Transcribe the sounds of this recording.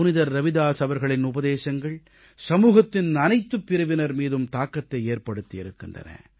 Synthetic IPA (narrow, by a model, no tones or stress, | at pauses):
ʊnɪðɐɾːɐʋɪðaːsɐʋɐɾɣɐɭɪnʊbɐðeːsɐŋɡɐɭ | sɐmuːɣɐt̪ːɪnnɐnɐɪt̪ːɯpːɪɾɐʋɪnɐɾmiːðɯmt̪aːkːɐt̪ːɐɪeːɾpɐɽɯt̪ːijɪɾɯkːɪndrɐ̰nɐ̰